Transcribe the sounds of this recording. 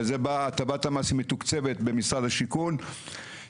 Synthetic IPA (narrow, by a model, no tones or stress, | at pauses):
zebaːtabatamasimet̪ukt͡se̞vet̪be̞misʁad̪haʃikun